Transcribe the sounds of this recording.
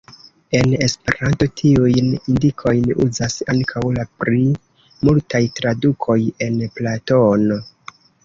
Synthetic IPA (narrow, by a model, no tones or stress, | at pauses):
e̞ne̞spe̞̰ɾanto̞tʰiujnindikʰo̞jnṵzasaŋkʰawlapɾi | multajtɾadukʰo̞je̞nplato̞no